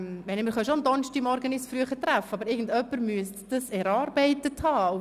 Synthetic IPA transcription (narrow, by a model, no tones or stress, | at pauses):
ʋɛnmɪɾχœʃond̪ɔnʃtimɔɾɡənɪsfɾyəχət̪ɾæfːəɑbəɾɪɾɡən̩dœpːəɾmyəstd̥əsɛɾɑːɾbɛɪtəthɑːu